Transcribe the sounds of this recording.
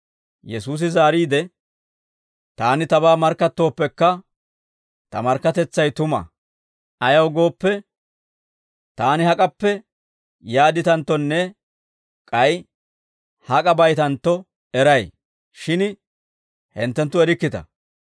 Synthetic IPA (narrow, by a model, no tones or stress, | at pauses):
jɛsuːs̬ɪzaːɾiːd̪ɛ | t̪aːnɪt̪ɐbaːmɐɾkːɐt̪ːo̞ːpːɛkːɐ | t̪ɐmɐɾkːɐt̪ɛt͡sːɐjt̪ʊmɐ̰ | ɐjɐwɡo̞ːpːɛ | t̪aːnɪhɐkʼɐpːɛ | jaːd̪ɪt̪ɐnt̪ːɔnːɛ | kʼɐj | hɐkʼɐbɐjt̪ɐnt̪ːɔ | ɛɾɐj | ʃɪn | hɛnt̪ːɛnt̪ːʊɛɾɪkːɪt̪ɐ̰